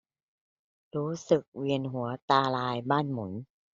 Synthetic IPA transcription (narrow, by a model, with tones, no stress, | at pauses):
ɾuː˦˥sɯ˨˩k̚wi˧ənɦu˩˦ɐt̪aː˧laː˧jbaː˥˩nmu˩˦n